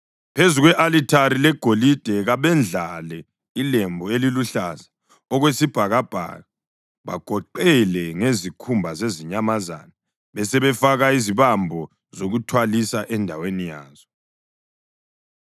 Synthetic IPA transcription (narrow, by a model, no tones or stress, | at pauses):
pʰezuɣwɛʔalitʰaɾilɛɡ̥ʱolid̥ʱɛɣaβɛnd͡ɮʱalɛ | ilembʱɔeliluɬazḁ | ɔɣwesib̥ʱaɣab̥ʱa̰ɣa | βa̰ɡ̥ʱɔǃɛlɛŋezikʰumbʱazeziɲamaza̰na | βɛsɛβɛfaɣaiziβambʱɔ | zoɣutʰwalisaʔɛndʱawenijaːz̥ɔ